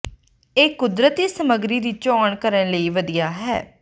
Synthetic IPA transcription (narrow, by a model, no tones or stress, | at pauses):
eːkʊd̪ɾət̪iːsəməɡɾiːd̪iːt͡ʃɔːɳkəɾə̃nləiːʋəd̪ijaːɦɛ̰ː